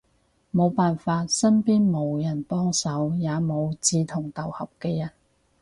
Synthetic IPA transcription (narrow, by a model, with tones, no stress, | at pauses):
mo˨˧wpaː˨nfaː˧t̚sɐ˥npiː˥nmo˨˧wjɐ˨˩npɔː˥ŋsɐ˨˥wjaː˨˧mo˨˧wt͡siː˨˧t̪ʰʊ˨˩ŋt̪ɐ˨whɐ˨p̚kɛː˧jɐ˨˩n